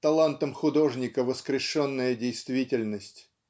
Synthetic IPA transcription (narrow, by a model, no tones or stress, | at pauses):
t̪ɐlˠant̪əmxʊd̪o̞ʐnʲɪkəvəskɾʲɪʂonːəjədʲejst̪vʲitʲɪlʲnəsʲtʲ